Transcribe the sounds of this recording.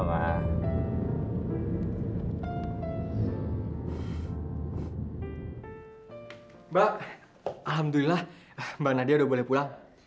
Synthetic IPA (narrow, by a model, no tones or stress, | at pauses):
ma̰ | baʔ | alɦamd̪ulilah | banadiaudabolɛhpulaŋ